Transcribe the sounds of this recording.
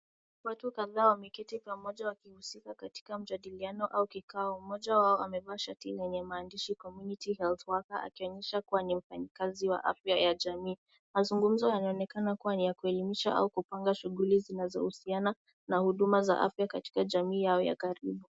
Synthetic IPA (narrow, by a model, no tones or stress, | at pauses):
watukaðaːwamikɛtipamɔʄawakihusikakati̥kam̩d͡ʒaɗilianɔʔaukikaɔmɔʄawaɔamɛvaːʃatilɛɲɛmaːndiʃikɔmjunitihɛlθwakaʔa̰kiɔɲɛʃakuwanim̩faɲikaziwa̰ʔa̰fjajaʄamiː | mazuŋɡum̩zɔhanaɔnɛkanakuwanijakuɛlimiʃa̰ʔa̰ukupaŋɡaʃuɣulizinazɔ̰husiana | nahuɗumaza̰ʔa̰fjakati̥kaʄamiːjaɔja̰kaɾiɓu